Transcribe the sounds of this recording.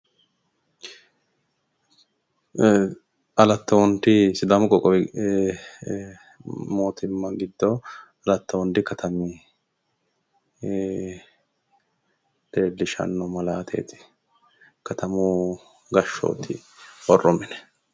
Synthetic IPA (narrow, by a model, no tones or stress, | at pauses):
ɐlɐt̪ːɐwɔnt̪ɪsɪd̪ɐmʊkʼɔkʼɔɛ | moːt̪ʰɪmːɐɡɪd̪ːɔ | ɐlɐt̪ːɐwɔnd̪ɪkɐt̪ʰɐmɪ | d̪̥eːdːɪʃɐ̰nːɔmɐlaːt̪ʰḛːt̪ɪ̥ | kɐt̪ʰɐmu | ɡɐʃːo̰ːt̪ʰːɪ̰ɔrːɔmɪnɛ̥